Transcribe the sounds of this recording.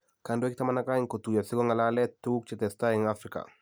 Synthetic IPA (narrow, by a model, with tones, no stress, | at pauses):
ka˨ndo˦k̚tama˦na˦ka˦iŋko˨tu˨ja˨sɪ˦ɡɔ˦ŋa˨lalɛ˦tːu˦k̚t͡ʃɛtɛ˨staɪ˨ŋafɾɪka̰˨